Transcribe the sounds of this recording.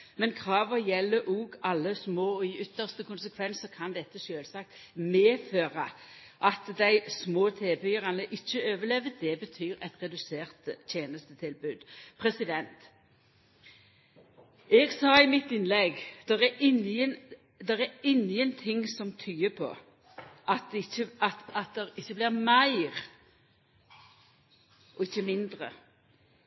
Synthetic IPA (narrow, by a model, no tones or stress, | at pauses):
mɛnkʰʁɑːʋəjɛlːəʔuːɡɑlːəsmoːɪʏt̪ːəʁst̪əkʊnsəkʰʋɛnsɔkʰɑnd̪ɛt̪ːəʃøːlsɑk̚t̪ | meːføːʁə | ʔɑt̪d̪æɪsmoːt̪ʰeːbʏʁɑnəʔɪçːəøːʋəlɛʋəd̪ɛbət̪ʰyːɾɛt̪ʁɛd̪ʉseːʁt̪ʰjeːnəst̪ət̪ʰɪlbʉd̪pʰʁɛsɪd̪ɛnt̪ | ɛɡsɑːɪmɪt̪ːɪnlɛɡd̪̥ɛʁæɾʔɪnən | d̪ɛʁæɪŋjənt̪ʰɪŋsɔmt̪ʰyːəpʰɔ̰ | ʔɑt̪̚d̪ɛɪçːəɑt̪ɑt̪̚d̪ɛʁɪçːəblɪʁmæɪʁ | ʔɔɪçːəmɪnd̪ʁə̰